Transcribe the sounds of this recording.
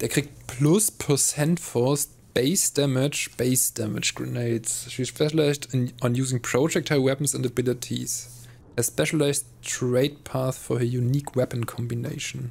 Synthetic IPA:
d̥ɛːɐkʁ̥iɡ̚tpʰlʊspʰəsɛ̃ntfɔst | b̥eɪsd̥ɛmɪd͡ʒb̥eɪsd̥æmɪ̰d͡ʒɡ̥ɹɪneɪtsʃispɛʃəlaɪzdɔ̃njuːzɪ̃ŋpʰɹ̥oʊd͡ʒɛk̚tʰəwɛpən̩sæ̃ntəbɪlɪtʰḭs | ɛspɛʃəlaɪs | tɹeɪd̚pʰaθfɔəjuniːkʰwɛpə̃n̩kʰɔ̃mbineɪʃn̩

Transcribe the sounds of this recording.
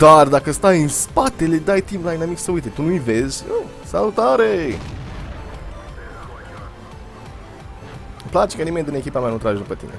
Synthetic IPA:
d̪̥ard̪akəst̪ajɨnspat̪e̞le̞d̪ajt̪imlajnamiksəujt̪et̪unuive̞zʲə | salut̪aɾe | plat͡ʃekənimed̪ɨne̞kʲipameanut̪ɾad͡ʒed̪upət̪ḭne̞̰

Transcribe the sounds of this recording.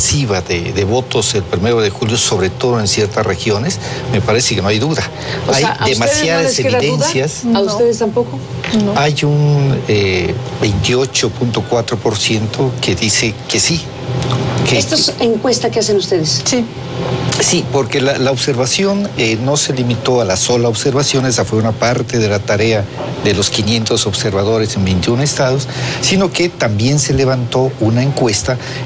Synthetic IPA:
siβaðeðe̞βo̞t̪ose̞lpɾime̞ɾoðe̞xuljo̞so̞βɾe̞t̪o̞ðo̞e̞nsje̞ɾt̪asre̞xjo̞ne̞sme̞paɾe̞sekenoajðuða | ajd̪emasjaðaseiaðenðsjasauseðest̪ampoko | najunebe̞jnt̪io̞t͡ʃo̞punt̪o̞kwat̪ɾo̞po̞ɾsje̞nt̪ʰokeðise̞ke̞si | keest̪oeseŋkwest̪akeasenust̪eðessi | sipo̞ɾke̞lalaoβse̞ɾβasjo̞nenːo̞se̞limit̪o̞alaso̞laoβse̞ɾβasjo̞nesafwe̞unapaɾt̪e̞ðe̞lat̪aɾe̞aðe̞lo̞skinje̞nt̪osoβse̞ɾβað̞o̞ɾe̞se̞mbe̞jnt̪iunoest̪að̞osːino̞ke̞t̪ambje̞nse̞le̞β̞ant̪o̞unaeŋkwe̞st̪a

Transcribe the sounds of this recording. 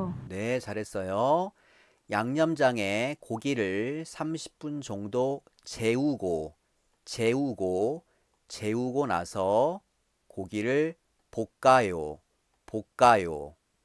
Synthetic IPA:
ne̞t͡ɕaɾɦe̞s͈ʌjo | jaŋɲʌmd͡ʑaŋekoɡiɾɯɭsʰamɕʰi̥p̚p͈und͡ʑʌŋdo | t͡ɕe̞uɡo | t͡ɕeuɡo | t͡ɕe̞uɡona̰sʰʌ | koɡiɾɯɭ | pok̚k͈ajo̰ | pok̚k͈ajo̰

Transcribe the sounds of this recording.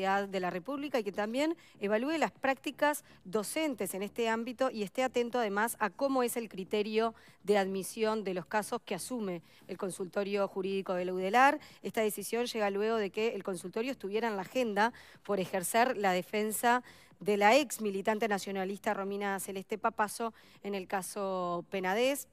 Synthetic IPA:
ðaðːe̞lare̞puβlikaiket̪ambje̞n | eβ̞alue̞laspɾak̚t̪ikaz | ðo̞se̞nt̪e̞se̞nest̪eambit̪o̞ʔie̞st̪eat̪e̞nt̪oað̞e̞masako̞mo̞e̞se̞lkɾit̪eɾjo̞ðe̞aðmisjo̞nd̪e̞loskaso̞skeasume̞ː | lko̞nsult̪o̞ɾjo̞xuɾiðiko̞ð̞elewðelaɾest̪aðe̞sisjo̞nʒeɣalwe̞ɣo̞ð̞e̞keːlko̞nsult̪o̞ɾjoest̪uβje̞ɾaenlaxend̪a | po̞ɾe̞xeɾseɾlað̞efe̞nsa | ðe̞laeksmilit̪ant̪enasjo̞nalist̪aro̞mĩnaselest̪epapaso̞ | ene̞lkasope̞nað̞es

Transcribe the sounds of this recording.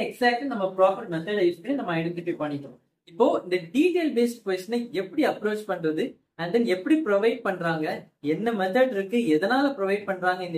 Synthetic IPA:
ɛksaːk̚ʈɯnɐmːɐpɪɾaːfɪʈ̚mɛt̪ɐɖɐɪɾɯt̪ːɯnɐmːɐɐɪɽɛnt̪ɪfipɐɳːɪʈːõ | ɪpːoːɪnd̪ɐɖiːʈeːlbeːsɪkʋɛsʈːɐnɐɪɛpːɐɽiɐpːɾoːt͡ʃpɐɳːɾɐðɯ | ɐɳd̪ɐnɛpːɐɽipɪɾɔʋɐɪɖ̚pɐɳːɾaːŋɡɐɛnːɐmɛθɐɖɪɾɯkːɯɛðɐnaːlɐpɪɾɔʋɐɪɖ̚pɐɳːɾaːŋɡɐɪnd̪

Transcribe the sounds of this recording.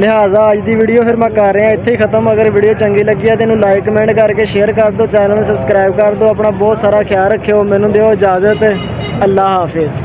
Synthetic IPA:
lɪɦaːzaːəd͡ʒd̪iːʋiːɖijoːpʰɪɾmɛ̃ːkəɾːeːãːɪt̪ʰːeːiːkʰət̪əməɡəɾʋiːɖijoːt͡ʃəŋɡiːləɡːiːaːt̪enũːlaːikmɛ̃ːɳɖkəɾkeːʃeːəɾkəɾd̪oːt͡ʃɛːnəlsəbskɾaːɪbkəɾd̪õːaːpɳaːbɔːt̪saːɾaːkʰɪjaːlɾəkʰːeoːmɛ̃ːnũːd̪eːoːɪd͡ʒaːzət̪ː | əlːaːɦaːfʰɪz

